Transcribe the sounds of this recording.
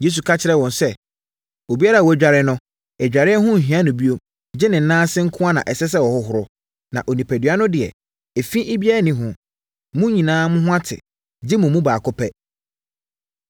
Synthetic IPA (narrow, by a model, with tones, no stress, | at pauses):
je˦s̬u˨kʰa˦t͡ɕʰɪ˨ɾɛ˦wɔ̃˨nsɛ˦ | o˨bi˦a˦ɾa˨wɔ˨æ˦d͡ʑᶣa˨ɾɪ˦nʊ̃˦ | ɛ˨d͡ʑᶣa˨ɾɪ˦ɛ˦ɦʊ̃˦˨ɦĩ˦ã˦nʊ̃˨bi˦o˦ | d͡ʑɪ˦nɪ̃˨n̩˨˦nãː˦sɪ˦ŋ̩˦kʰʊ̃˦a˦nã̰˨ʔɛ˨sɛ˦s̬ɛ˦wɔ˨hʊ˦ɦʊ˨ɾʊ˦ | nã̰˨ʔo˨nĩ˨pʰæ˨dɥa˦nʊ̃˦dɪ˨ɛ̰˨ | e˨fi˦ʔe˦bi˦a˦ɾa˦nĩ˨ɦʊ̃˨ | mʊ̃˦ɲĩ˨nãː˦mʊ̃˦ɦʊ̃˦a˦tʰɪ̰˨ | d͡ʑɪ˦mʊ̃˨mũ˦baː˨kʰʊ˦pʰɛ˦